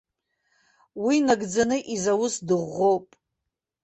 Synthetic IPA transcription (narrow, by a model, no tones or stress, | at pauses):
winaɡd͡zanɨʔizawʊsdɨʁːo̞wpʼ